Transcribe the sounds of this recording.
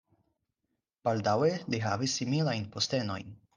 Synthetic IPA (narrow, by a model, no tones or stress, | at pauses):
b̥aldaweliɦavisːimilajnpost̪eno̞̰jn